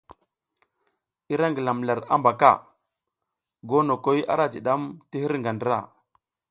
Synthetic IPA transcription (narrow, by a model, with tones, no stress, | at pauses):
i˦ɾa˦ŋɡə˨la˨mla˨ɾa̰˦mba˨ka̰˦˨ | ɡo˦no˨ko˦ja̰˦ɾa˦d͡ʒi˨ɗa˦mti˦hi˦ɾŋɡa˨ndə˦ɾa̰˦˨